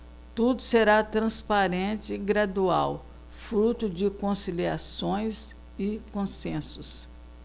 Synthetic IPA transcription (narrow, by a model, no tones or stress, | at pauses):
t̪ud̪ʊseɾat̪ɾɐ̃spaɾẽt͡ʃɪɡɾad̪ua̰w | fɾut̪ʊd͡ʒɪkõsiliasõj̃s | ɪkõsẽsʊs